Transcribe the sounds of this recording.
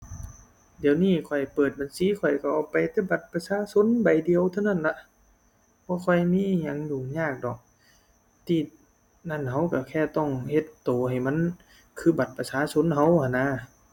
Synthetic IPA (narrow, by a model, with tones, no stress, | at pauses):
di˨əwniː˧˥˨kʰɔ˨˩jpɤː˨˩t̪̚ba˨nsiː˨˦kʰɔ˨˩jka˧˩ʔaː˧˩wpa˨jt̪ɛː˧˩ba˧˩t̪̚pa˧saː˧˥˨so˧˥˨nba˨jdi˨əwt̪ʰa˧wna˧˩˨nla˧ʔ | bʰɔː˧˥˦kʰɔ˧˩jmiː˧˥˨ɲa˧˥ŋjuː˨˩ɲaː˧˩k̚dɔ˨˩k̚ | t̪ʰiː˧˩ | na˧˩˨nha˧˥wka˧˩kʰɛː˧˩t̪ɔ˧˩ŋhe˧˦t̪ːoː˨˩ha˨˩jma˧˥˨n | kʰɯː˧˥ba˨˩t̪̚pa˧saː˧˥so˧˥nɦa˧˥wkʰa˧˩nːa˧˥˨